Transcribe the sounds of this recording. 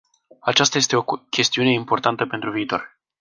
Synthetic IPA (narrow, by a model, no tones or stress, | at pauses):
at͡ʃast̪aje̞st̪e̞o̞kʲe̞st̪iune̞impo̞rt̪ant̪əpe̞nt̪ɾuviːt̪o̞̰r